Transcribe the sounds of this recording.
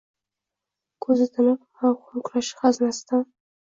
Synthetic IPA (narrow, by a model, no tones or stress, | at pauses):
kʰɵzɪt̪ʰɪnɪphamχʊɾkʰʊɾaʃɪ̥χaznasɪ̥d̪an